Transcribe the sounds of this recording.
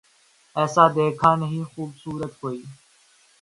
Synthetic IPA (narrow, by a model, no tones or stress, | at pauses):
ɛːsãːd̪eːkʰaːnɦĩːxuːbsuːɾət̪ɦoːiː